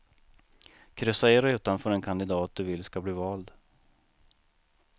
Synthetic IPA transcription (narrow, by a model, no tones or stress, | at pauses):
kʰɾʏsːaɛɾɛʉ̟ːt̪anfœːɾɛnkʰand̪ɪd̪ɑːt̪̚d̪ɵvɪlːskabliːvɑːld̪